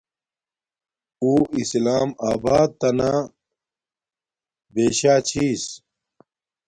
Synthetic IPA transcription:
uːislaːmaːbaːd̪̚t̪ɐna | beːɕaːt͡ɕʰiːs

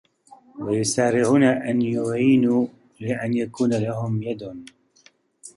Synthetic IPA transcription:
wajʊsaːɾɪʕuːnaʔanjʊʕiːnuː | lɪʔanjakuːnalahʊmjad̪

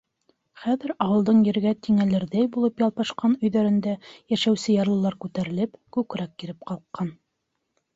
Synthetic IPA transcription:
χæðɘ̆ɾɑwɤ̆lˠd̪ɤɴjɘ̆ɾɡæt̪iŋælɘ̆ɾðæjbulˠɤpjɑlˠpɑʃqɑnɵ̆jðæɾɘ̆nd̪æjæʃæwsɘjɑɾlˠɤ̆lˠɑɾkʉt̪æɾɘ̆lɘpkʉkɾækːiɾɘp̚qɑlˠqːɑn

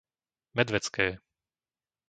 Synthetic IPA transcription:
mɛd̪ʋɛt͡skɛː

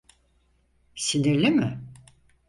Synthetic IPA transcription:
siniɾlʲimɪ

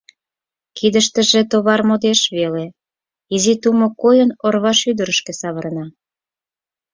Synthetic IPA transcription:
kid̪əʃt̪ə̆ʒet̪oβɑrmod̪eʃβele | izit̪umokojənorβɑʃyd̪əɾəʃkesɑβəɾnɑ

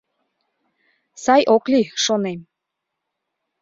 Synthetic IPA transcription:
sɑjʔokliʃonem

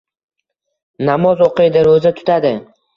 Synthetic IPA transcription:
namɒzoqʰɨjd̪ɪɾozat̪ʰʊ̥t̪ʰad̪ɪ

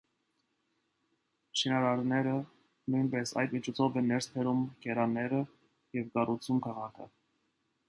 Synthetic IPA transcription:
ʃinɑɾɑɾnɛɾə | nujnpɛsɑ̰jd̪mit͡ʃʰɔt͡sʰɔvɛnːɛɾspʰɛɾumkɛɾɑnɛɾə | jɛvkɑrʔut͡sʰumkʰɑʁɑkʰə

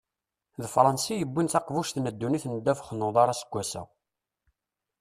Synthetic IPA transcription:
ðfɾˤɑnsijəbːintθɑqvuʃθməd̪ːuniθnəd̪ːæfχənːʊðˤɑɾˤɑsə̥ɡʷːæsæ̰

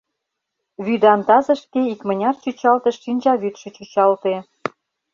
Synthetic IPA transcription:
βyd̪ɑnt̪ɑzə̆ʃkeikmə̆nʲɑrt͡ɕyt͡ɕɑlt̪eʃːinʲt͡ɕɑβyt̪ʃĕt͡ɕut͡ɕɑlt̪e

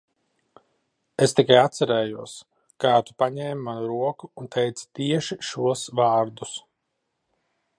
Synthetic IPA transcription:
est̪ikajat̪sɛɾɛːjuɔs | kaːt̪u̥paɲɛːmmanuɾuɔkuːnt̪ʰɛjt̪sḁt̪iɛʃiʃuɔsvaːɾd̪us

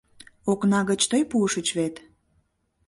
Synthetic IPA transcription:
oknɑɣət͡ɕt̪əjpuəʃət͡ɕβet̪

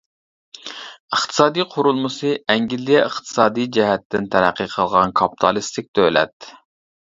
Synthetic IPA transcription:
əχt̪ʰɨ̥sɑːd̪ijqʰʊɾulˠmɨsɨɛŋɡʲilːijɛəχt̪ʰɨ̥sɑːd̪ijd͡ʒɛɦɛt̪ːɪnt̪ʰæɾæqʰːəqʰəlˠʁɑnkʰɑpi̥t̪ʰɑlˠist̪ʰɪk̚ʲd̪ølɛ̰t̪

